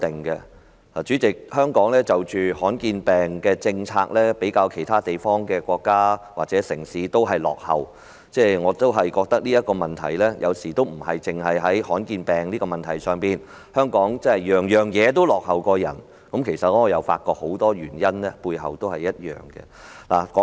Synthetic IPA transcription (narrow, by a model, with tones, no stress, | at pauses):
t̪ɪ˨˩ŋkɛ˧ | aː˨˩t͡ʃyː˨˥t͡sɪ˨k̚hœː˥ŋkɔː˨˥ŋlɛː˥t͡sɐ˨wt͡ʃyː˨˧hɔː˨˥nkiː˧npɛː˨ŋkɛː˧t͡sɪ˧ŋt͡sʰa̰ː˧k̚lɛː˥pe˨˥jkaː˧wkʰe˨˩jt̪ʰaː˥t̪e˨jfɔː˥ŋkɛː˧kʷɔː˧kːaː˥waː˨k̚t͡sɛː˨˥sɪ˨˩ŋsiː˨˥t̪o˥wɦɐ˨jlɔ̰ː˨k̚hɐ˨w | t͡sɛː˥˩ŋɔː˨˧t̪o˥wɦɐ˨jkɔː˧k̚t̪ɐ˥k̚liː˥jɐ˥t̚kɔː˧mɐ˨˩nt̪ʰɐ˨˩jlɛː˥jʔɐ̰˨˧wsiː˨˩t̪o˥wm̩˨˩hɐ˨jt͡sɪ˨ŋɦɐ˨jɦɐ˨˥jhɔː˨˥nkiː˧npɛː˨ŋliː˥kɔ˧mɐ˨nt̪ʰɐ˨˩jsœː˨˧ŋpiː˨n | hœː˥ŋkɔː˨˥ŋt͡sɐ˥hɐ˨jjœː˨ŋjœː˨ŋjɛː˨˧t̪̬o˥wlɔː˨k̚hɐ˨wkɔː˧jɐ̰˨˩n | kɐ˨˥mkʰe˨˩jsɐ˨t̚ɛ˥ɔː˨˧jɐ˨˧wfa̰ː˧t̚kɔː˧k̚ho˨˥wt̪ɔː˥jyː˨˩njɐ˥nlɛ˥puː˧jɦɐ̰˨wt̪o˥whɐ˨jːɐ˥t̚jœ̰ː˨˩ŋkɛ̰˧la̰ː˨˩kɔː˨˥